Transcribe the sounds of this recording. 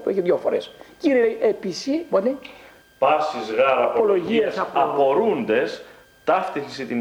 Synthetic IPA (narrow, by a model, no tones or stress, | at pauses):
pueçiðʝofoɾḛsciɾilejʔepisibone | pɐsizɣɐɾɐpooloʝiesɐɐpo̞ɾund̪e̞s | t̪ɐft̪içisit̪in